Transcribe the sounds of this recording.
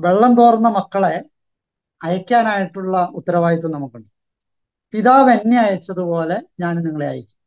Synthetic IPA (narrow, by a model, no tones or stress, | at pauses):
ʋe̞ɭːɐmt̪oːrnːɐmɐkːɐɭe̞ | ɐjɐkʲːaːnaːjiʈːuɭːɐut̪ːɐɾɐʋaːjit̪ːumnɐmːukːuɳɖɨ | piðaːʋenːiɐjɐt͡ɕːɐðupo̞ːle̞ɲaːnniŋːɐɭea̰ːjɐkʲːum